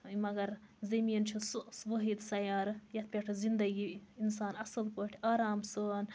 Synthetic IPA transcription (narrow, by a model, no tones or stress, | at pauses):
imɐɡɐɾzɐmiːnt͡ʃʰisʋəɦid̪sɐjaːɾɨjɐt̪̚ʰpʲeʈʰɨzind̪ɐɡiins̬aːnɐsɨlkoʈʰiaːɾaːmsən